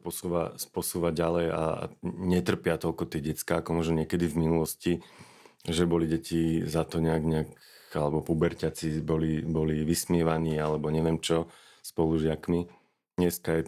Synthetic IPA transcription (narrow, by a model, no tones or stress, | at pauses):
pɔsuːʋa̰spɔsuːʋaɟalɛja̰ɲɛt̪r̩pɪat̪ɔʎkɔt̪ɛɟɛt͡skaːkɔmɔʒnɔɲɪɛkɛd̪ivminulɔsci | ʒɛbɔliɟɛcizat̪ɔɲɛaɡɲɛak | alɛbɔpubɛɾcat͡sibɔlibɔliʋismɪɛʋaniːalɛbɔɲɛʋɪɛmt͡ʃɔ | spɔluʒɪakmi | ɲɛskajɛ